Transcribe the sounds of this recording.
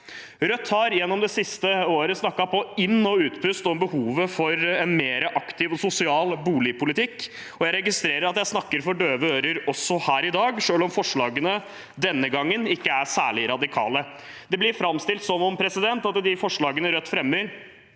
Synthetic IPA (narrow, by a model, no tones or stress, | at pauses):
ɾœt̪ːhɑɾjɛnːɔmd̪ɛsɪst̪əoːɾəsnɑkːɑpɔɪnːɔʉːt̪pʰʉst̪ɔmbəhuːʋəfɔɾɛnmeːɾəʔɑkt̪ɪʋɔsʊsɪɑːlbuːlɪpʰʊlɪt̪ʰɪkː | ɔjæɪɾɛɡɪst̪ɾeːɾəɾɑt̪jæɪsnɑkːəɾfɔɖøːʋəøːɾəɾɔsːɔhæːɾɪd̪ɑːɡʂøːlɔmfɔʂɭɑːɡənə | d̪ɛnːəɡɑŋːənɪkːəæʂæ̰ːɭɪɾɑd̪ɪkʰɑ̰ːlə | d̪ɛblɪɾfɾɑmst̪ɪlt̪sɔnːɔnpʰɾɛsɪd̪ɛnt̪ɑt̪d̪ɪfɔʂɭɑːɡənəɾœt̪ːfɾɛmːəɾ